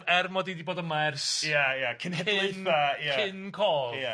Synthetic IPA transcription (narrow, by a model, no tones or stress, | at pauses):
ɛrmɔdidiboːdəmarsjajakʰɪnhɛejnθajaɪnkʰoːlja